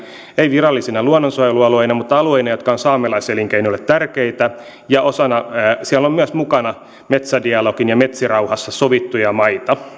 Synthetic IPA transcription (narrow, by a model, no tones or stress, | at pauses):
eiʋirɑlːisinɑluonːonsoɑjeluɑloinɑmut̪ɑlueinɑjot̪kɑonsɑːmelɑiseliŋkeiniolet̪t̪ærkeit̪æ | jɑʔosɑnɑsiælːommyæsmukɑnɑ | met̪sædiɑlokinjɑmet̪sirɑuhɑsːɑsoʋit̪ːujɑmɑit̪ɑ